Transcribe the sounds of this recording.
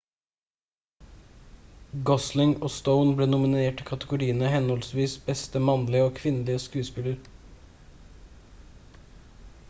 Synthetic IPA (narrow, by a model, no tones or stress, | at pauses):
ɡɔslɪŋoːst̪əʊnbleːnʊmɪneːʈikʰɑt̪əɡʊɾiːənəhɛnhɔlsʋiːsbɛst̪əmɑnlɪəoːkʰʋɪnəlɪəskʉːspɪləɾ